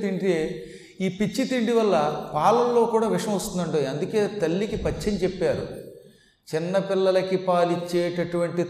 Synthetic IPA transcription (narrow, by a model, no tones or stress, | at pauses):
t̪iɳɖeː | iːpit͡ʃːit̪iɳɖiʋɐlːɐpaːlɐmlo̞ːkuːɽaːʋɪʂɐɐ̃mɐst̪und̪ɐɳɖoiɐnd̪uke̞ːt̪ɐlːikipɐt͡ʃːeɲt͡ʃɛpːaːɾṵ | t͡ʃɪnːɐpɪlːɐlɐkipaːlit͡ʃːeːʈɐʈuʋɐɳʈi